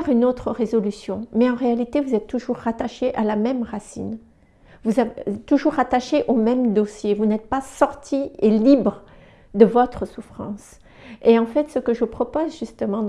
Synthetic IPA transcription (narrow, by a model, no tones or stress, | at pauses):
ʁynot̪χəʁezɔlysjɔ̃mɛɑ̃ʁealit̪evuzɛt̪ːuʒuʁːat̪aʃeʔalamɛmʁasḭn | vuzavt̪ːuʒuʁat̪aʃeʔomɛmd̪osjevunɛt̪̚pasɔʁt̪ʰielibʁ | d̪əvɔt̪χəsufχɑ̰̃s | eɑ̃fɛt̪səkəʒəpχɔpozʒyst̪əmɑ̃